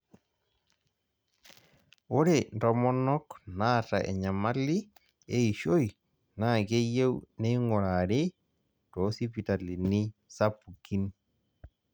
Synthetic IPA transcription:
o˦ɾe˨ndɔ˨˦mɔ˦nɔ˦kna˦˨ta˨ʔɛ̰˨ɲa˨ma˦li˦ | e˦i˨ʃo˦j | na˦˨ke˦je˦wne˦i˦ŋɔ˨ɾa˨ɾe˦ | tɔ˨˦si˦pi˨ta˨li˨ni˦sa˦pu˨ki˦n

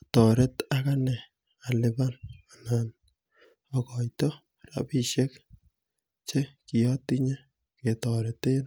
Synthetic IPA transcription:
tɔ˨ɾɛ˦ta˦ka˦nɛ˨ | a˨lɪ˨ba˦na˨na˨n | ɔ˨kɔ˨jtɔ˦ | ra̰˨bi˦ʃe˦k | t͡ʃe˦ki˨jɔ˦ti˦ɲɛ˦ | ke˨tɔ˨ɾɛte˦n

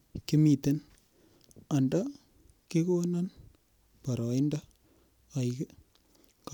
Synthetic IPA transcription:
ki˦mi˨te˦n | a˨nda˦ | ki˦ko˦na˦n | pa˨ɾɔ˨ɪ˦nda˦ | a˨k | k

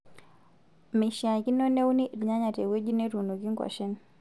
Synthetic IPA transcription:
me˨ʃa˨ki˦nɔ˦ne˦u˦ni˦ʔɾi˨ɲa˦ɲa˨te˨we˦d͡ʒi˦ne˦ɾu˨nu˨ki˦ŋkwa̰˨ʃi˦n

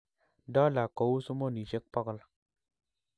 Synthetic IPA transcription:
dɔ˦la˨ko˨wu˦su˦mo˦ni˨ʃe˦k̚pɔ˦kl

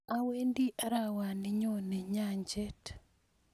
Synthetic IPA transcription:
a˦we˦ndi˦ʔa˦ɾa˨wa˨ni˦ɲo˦nɛ˨ɲa˦ɲd͡ʒɛ˦t

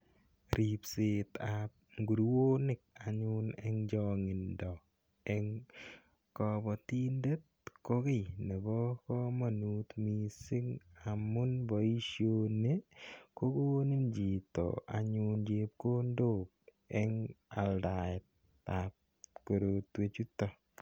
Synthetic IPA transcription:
ɾipsɪ˨t̪ap̚ɡu˨ɾwo˦nɪ˦k̚a˨ɲʊ˦nɛ˦ŋd͡ʒɔŋɪ˨ndɔ˨ | ɛŋ | kɔbɔ˨t̪i˦nde˦t̚ | ko˦kɪ˦ne˨bɔ˦kɔ˦ma˨nu˦t̪mi˨sɪ˦ŋa˨mʊ˦nbɔ˨i˦ʃjo˦ne˦ko˦ko˦nɪ˦nd͡ʒi˨t̪ɔ̰˨a̰˨ɲʊ˧nd͡ʒe˨p̚ko˦ndo˦k̚ | ɛ˦ŋa˨lda˨ɪt̚ | ap̚ | ko˨ɾo˨t̪we˨t͡ʃu˦tɔ˨

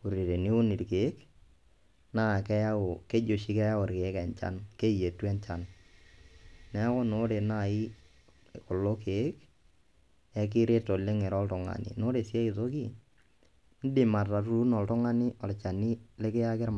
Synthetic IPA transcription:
u˨ɾi˨ɾe˨ni˦ʊ˦ni˨ɾkeː˨˦k | na˦˨kɛ˦ja˦o˨ke˦d͡ʒo˨ʃi˦kɛ˦ja˦o˨ɾke˨˦kɛ˨nt͡ʃa̰˦nke˦je˨tu˦ɛ˦nt͡ʃa˨n | nɛ˦ko˦no˦ɾe˨na˦˨i˦ | kʊ˨lo˦ke˨˦k | ɛ˦k̬ɪ˦ɾe˦to˨lɪ˦ŋe˨ɾɔ˦ltʊ˨ŋa̰˨nḭ˨no˦ɾe˨si˦a˦i˨to˦k̬i˦ | n̩˦dɪ˨ma˨ta˨ɾu˨u˦nɔ˨ltʊ˦ŋa˦ni˦ɔ˨lt͡ʃa˨ni˦le˦kɪ˦ja˦kɪ˦ɾ

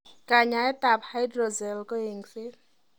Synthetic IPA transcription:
ka˨ɲa˨ɛ˦ta˨pha˦jdɾɔ˨zɛ˨lkɔ˦e˨ŋsɪ˦l

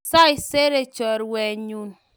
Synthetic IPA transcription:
sa˦i˨se˦ɾe˦t͡ʃɔ˨ɾwe˨ɲu˦n

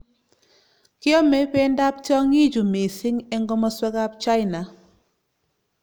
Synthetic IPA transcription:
kɪ˦ɔ˦mɛ˦pɛ˦nda˦p̚t͡ʃɔ˦ŋi˦d͡ʒu˨me˨sɪ˦ŋɛ˦ŋɡɔ˦mɔ˦swɛ˦ɡa˦p̚t͡ʃa˦ɪ˨na˨

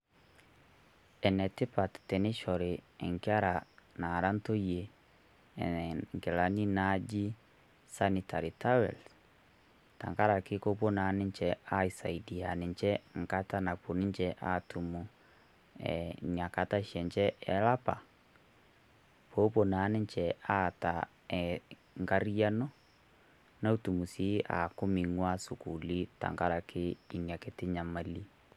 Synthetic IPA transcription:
ɛ˨nɛ˨te˦pa˨ttɛ˨ne˦ʃɔ˨ɾe˨ɛ˨ŋkja˦ɾa˨na˨ɾa˦nto˦je˨ | ŋkɛ˨la˨ni˦na˦d͡ʒi˦ | sa˦ni˨tʰa˨ɾi˨ta˦wɛ̰˨ls | ta̰˨ŋka˦ɾa˨ke˦ko˦po˦na˨˦ne˦ɲt͡ʃɛ˨a˦i˨sa˨i˨di˨a˨ne˨ɲt͡ʃɛ˦ŋ˨ka˦ta˦na˨po˨ni˦ɲt͡ʃɛ˦ʔa˦tu˨mu˨ | ɛ̰˨ɲja˨ka˨ta˦ʃɛ˨ɲt͡ʃɛ˦ɛ˨˦la˦pa̰˨ | pʰo˦po˨na˨˦nɪ˦ɲt͡ʃɛ˨a˦˨ta˨ | ɛ˨ | ŋɡa˦ɾi˦a˦nɔ˦ | na˦u˦tu˨mu˨si˦a̰˨ko˦mi˨ŋwa˦su˨ku˨li˦ta̰˨ŋɡa˦ɾa˨kʰɪ˦i˨nja˨ke˦tɪ˦ɲa˨ma˨li˦

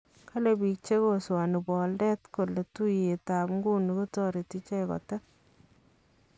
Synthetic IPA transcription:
kʰa˦le˨bi˨k̚t͡ʃe˦ko˦swa˨nu˨bɔ˨ldɛ˦tko˨le˨tu˦je˨ta˨pŋɡu˦ni˨ko˦tɔɾe˨ti˦t͡ʃɛ˦kɔ̰˨tɛ˦

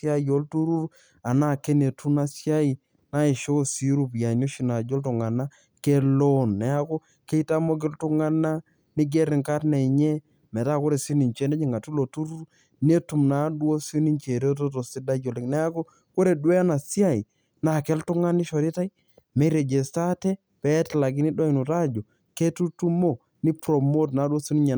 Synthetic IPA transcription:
sja˦jo˦ltu˦ɾu˦ɾ | a˨na˦˨ke˦ne˨tu˦na˨sja˦i˨ | na˦i˨ʃo˦˨si˦ɾu˦pja˨no˦ʃi˦na˨d͡ʒo˦ltʊ˨ŋa˨na˦ | ke˦lo˦nːɛ˨a˦ko˦ | ke˦i˦ta˦mo˦k̬ɪ˦ltʊ˦ŋa˦na˦ | nɪ˦ɡɛ˦ɾɪ˨ŋka˦tne˨i˨ɲɛ˦ | mɛ˨ta˦ko˦ɾe˨si˦ni˨nt͡ʃe˦nɛ˦ɲɪ˨ŋa˨tu˦lo˨tu˦ɾu˦ɾ | ne˦tu˨mna˨˦dwo˦sni˦ɲt͡ʃe˨ɾe˦to˦to˨si˦da˦d͡ʒo˨lɛ˦knɛ˦a˦ko˦ | ko˦ɾe˨dwɛ˦a˦na˨si˦a˦˨i˨ | na˨kɛ˦ltu˦ŋa˦ni˦ʃo˨ɾi˦ta˦i˦ | me˦ɾe˨d͡ʒe˨sta˦tɛ˦ | pɛ˨˦tla˨ɡi˦ni˦dɔ˦i˨nu˨ta˦d͡ʒo˨ | ke˦tu˦tu˦mo˦ | ni˦pɾo˨mo˦tna˨˦dwo˦su˦ni˦ɲa˨

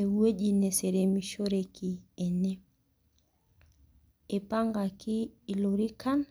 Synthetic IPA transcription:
e˨wwe˦d͡ʒi˨ne˨se˨ɾe˨mi˨ʃo˦ɾeki˨e˨ne˦ | e˨pa˦ŋɡa˨kiː˦˨lo˨ɾi˦ka˦n

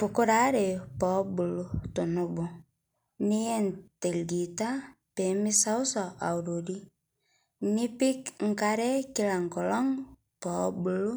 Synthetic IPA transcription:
pu˨ko˦ɾa˨˦ɾe˨pɔ˨bu˨lu˦to˨nu˦bo˨ | ni˦ɛ˦ntɛ˨lɡi˨ta˦ | pe˨mi˦sa˦u˦sɔ˨ʔa˨u˨ɾo˨di˦ | ni˦pi˦kŋ̩˦ka˦ɾɛ˦ki˦la˨ŋkɔ˨lɔ˦ŋ | pɔ˨˦bu˨lu˦

